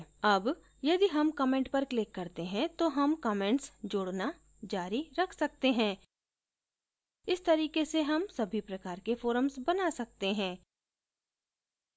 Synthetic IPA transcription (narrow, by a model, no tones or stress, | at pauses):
ɐb | jɐd̪iɦɐmkɔmẽːɳʈpɐɾklɪkːɐɾt̪eɦɛ̃t̪oɦɐmkɔːmẽːɳʈsd͡ʒʊɽna | d͡ʒaːɾiɾɐkʰsɐk̚t̪eɦɛ̃ː | ɪst̪ɐɾiːkeseɦɐmsɐbʱipɾɐkaːɾkefoːɾəmsbɐnasɐk̚t̪eɦɛ̃ː